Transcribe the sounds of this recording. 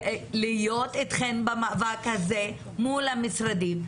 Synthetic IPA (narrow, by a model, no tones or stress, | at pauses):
lijo̞t̪et̪χenbamaːvakhaze | mulamisʁad̪im